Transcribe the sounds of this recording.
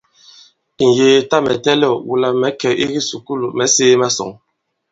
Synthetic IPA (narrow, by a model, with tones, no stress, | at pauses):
i˨n̩˨jeː˨ta˦mɛ˨tɛ˦lɔ˦˨wṵ˦˨la˨mɛ˨˦kɛ˨ḭ˦ɣi˦su˨ku˦lu˨mɛ˨˦seː˦ma˦sɔ̰˨ŋ